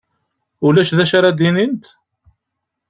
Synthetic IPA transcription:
ʊlæʃðæʃaɾad̪inint̪

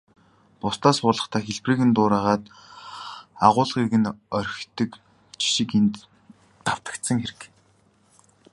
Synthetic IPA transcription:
pʊst̪aːsχʊːɮə̆χt̪ʰaːxeɮpriːɣɘ̆nt̪ʊːɾaːʁaːt̪ | aʁʊːɮʁiɣɘ̆nœɾʲxt̪ɘ̆k | t͡ɕʰi̥ʃɪ̆kent̪ː | aw̥t̪ə̥̆kt̪sə̆ŋxeɾɘ̆k

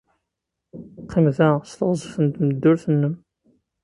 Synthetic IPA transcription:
qʰːimðæst̪əʁzˤəθənt̪məd̪ːʊɾθənːəm

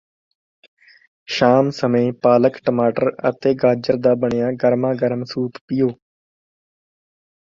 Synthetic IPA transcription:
ʃaːmsəmẽːpaːləkʈəmaːʈəɾə̰t̪eːɡaːd͡ʒəɾd̪aːbəɳɪjãːɡəɾmãːɡəɾmsuːp̪pɪjoː

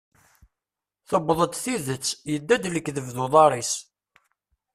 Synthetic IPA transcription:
θəbːðˤəd̪θiðət͡sːjəd̪ːæd̪ləkːðəvðuðˤɑɾˤis

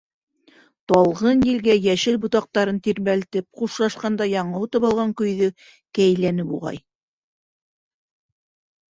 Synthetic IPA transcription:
t̪ɑlˠʁɤnjĭlɡæjæʃɘlbŏt̪ɑq̚t̪ɑɾɤnt̪iɾmælt̪ɘp̚quʃlˠɑʃqɑnd̪ɑjɑɴɤwt̪ɤ̆βɑlˠʁɑŋkɵ̆jðɵ | kæjlænɘpṵʁɑ̰j

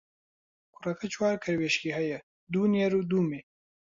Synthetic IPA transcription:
kuɾakʰat͡ʃwɑːɾkaɾweʃkiɦaja | d̪unjeɾud̪ume

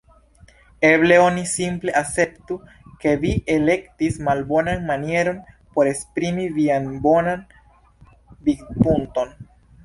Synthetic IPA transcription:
e̞ble̞o̞nisimple̞ʔase̞ptu | ke̞viʔe̞le̞ktismalbo̞nanmanie̞ɾo̞n | po̞ɾe̞spɾimivianbo̞nan | bikpunto̞n

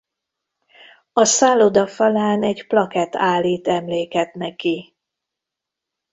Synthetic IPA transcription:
ɒsaːlod̪ɒfɒlaːnɛɟplɒkɛt̪aːlːiːt̪ɛmleːkɛt̪nɛki

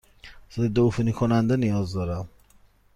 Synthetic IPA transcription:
zɛid̪ofinikʰonænd̪enijɒzd̪ɒɾæm

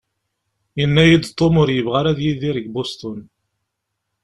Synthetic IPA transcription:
jənːæjid̪t̪ˤːomʊɾjəvʁaɾæðjiðiɾəɡbost̪ʊn

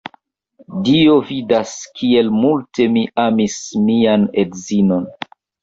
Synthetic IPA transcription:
dio̞vidaskʰie̞lmulte̞miʔamismianedzino̞n

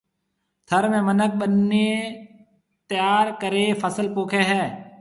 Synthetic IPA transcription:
t̪ʰəɾmẽːmənək̚ɓənːeː | t̪əjaːɾkəɾeːpʰəsəlpoːkʰeːɦɛː

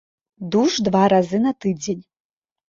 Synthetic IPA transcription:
d̪uʂd̪vaɾazɨnɐt̪ɨd͡zʲenʲ

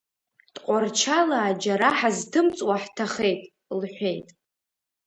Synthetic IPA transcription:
d̥ʼqʷʼart͡ʃʰalaːd͡ʒaɾaħaztʰɨmt͡sʼwaħtʰaχe̞jtʼ | lħʷe̞jtʼ

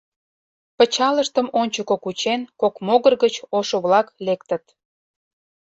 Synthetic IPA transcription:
pət͡ɕɑləʃt̪əmonʲt͡ɕəkokut͡ɕenkokmoɣərɣət͡ɕoʃoβlɑklekt̪ət̪

